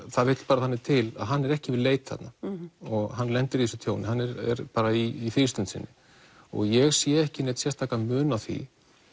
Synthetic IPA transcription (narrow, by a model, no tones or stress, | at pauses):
θaðvɪt̪l̥paːɾaθanːɪt̪ʰɪla̰ðɦanːɛɾɛhcɪvɪðleːjt̪θa̰t̪naɔɣɦanːlɛnt̪ʏɾiɛsʏt̪ʰjoːwnɪɦhanːɛɾɛ̰ɾpaːɾaiːθɪst̪ʏnt̪sɪ̰nːɪ | ɔ̰ɣjɛɣsjɛɛhcɪneːt̪sjɛst̪ʰːaːkamʏːnawθḭ